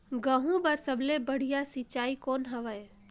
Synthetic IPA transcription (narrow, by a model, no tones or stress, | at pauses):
ɡəɦũbɐɾsəblebəɽ̤ijasit͡ʃaːikoːnɦɐʋəj